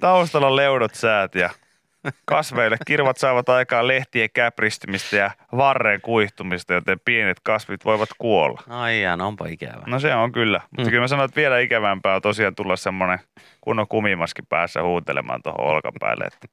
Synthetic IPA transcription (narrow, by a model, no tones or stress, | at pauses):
t̪ɑust̪ɑlːɑlleunot̪sæːt̪jɑ | kɑsʋeilːekkirʋɑt̪sɑːʋɑt̪ɑikɑːlleht̪iekæprist̪ymist̪æjɑʋɑrːeŋkuiht̪umist̪ɑjot̪empienet̪kɑsʋit̪ʋoiʋɑt̪kuolːɑ̰ɑiɑnompɑikæ̰ʋænoseoŋkylːæ̰mutt̪ːɑkylmæsɑnoet̪ʋielæikæʋæmpæːot̪osiɑːnt̪ulːɑssemːone | kunːokumimɑskipæ̰ːsːæ̰huːt̪ḛlḛmɑ̰ːnt̪o̰ho̰o̰lkɑ̰mpæ̰ːlːḛḛt̪ːæ̥